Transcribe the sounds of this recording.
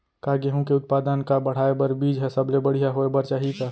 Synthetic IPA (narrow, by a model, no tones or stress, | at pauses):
kaɡeɦũkeʊt̪̚paːd̪ənkabəɽ̤aebəɾbiːd͡ʒɦɛsəblebəɽ̤ijaɦoebəɾt͡ʃaːɦika